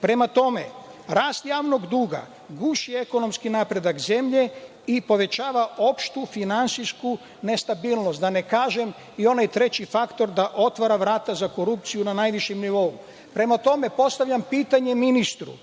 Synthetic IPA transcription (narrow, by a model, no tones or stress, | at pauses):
pɾe̞mat̪o̞me̞̰ɾaːst̪jaːʋno̞ɡd̪uːɡa̰ | ɡuʃie̞ko̞no̞mskinapɾe̞d̪akze̞mʎe̞ | ipo̞ʋe̞t͡ɕaːʋao̞pʃt̪ufinant̪sijsku | ne̞st̪abiːlˠnost̪d̪ane̞kaːʒe̞m | io̞najt̪ɾe̞t͡ɕifakt̪o̞ɾd̪aʔo̞t̪ʋaɾaʋɾaːt̪azako̞ɾup̚t̪sijunanaːjʋiʃjemniʋo̞u | pɾe̞mat̪o̞me̞po̞st̪aʋʎʲampiːt̪aɲe̞minist̪ɾṵ